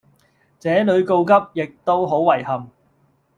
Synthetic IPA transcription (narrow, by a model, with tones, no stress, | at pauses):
t͡sɛː˨˥lɵ˨˧ɥko˧wkɐ˥p̚jɪ˨k̚t̪o˥wɦo˨˥wwɐ˨˩jhɐ˨m